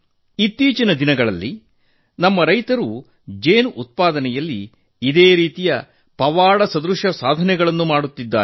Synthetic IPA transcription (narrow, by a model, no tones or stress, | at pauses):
it̪ːiːt͡ʃinɐd̪inɐɡɐɭɐ̰lːi | nɐmːɐɾɐjt̪ɐɾu | d͡ʒeːnʔut̪̚paːd̪ɐnɛjɐlːiː | d̪eːɾiːt̪ijɐ | pɐʋaːɽɐsɐd̪ɾuʂɐsaːd̪ʱɐnɛɡɐɭɐnːumaːɽut̪ːid̪ːa̰ːɾɛ